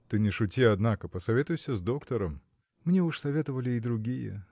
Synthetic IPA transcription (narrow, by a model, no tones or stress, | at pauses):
t̪ɨnʲɪʂʊtʲiɐd̪nakəpəsɐvʲet̪ʊjsʲəzd̪o̞kt̪əɾəm | mnʲe̞uʂsɐvʲe̞t̪əvəlʲɪːd̪ɾʊɡʲijə̰